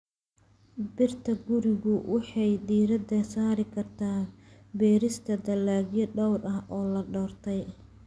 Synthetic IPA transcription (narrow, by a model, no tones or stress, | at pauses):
bɪrt̪ʰɐɡʊɾɪɣʊwɑħɑjdiːɾɐd̪ɐsaːɾɪkʰɐrt̪ʰaːbɛːɾɪst̪ʰɐd̪ɐlːaːɡjɔɖɔwrɐɦɔːlɐɖɔːrt̪ʰɛj